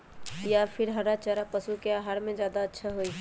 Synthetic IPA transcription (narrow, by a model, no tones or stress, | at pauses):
japʰiɾɦəɾat͡ʃəɾapəsukeaɦaɾmẽd͡ʒjad̪aətːʃʰaɦoj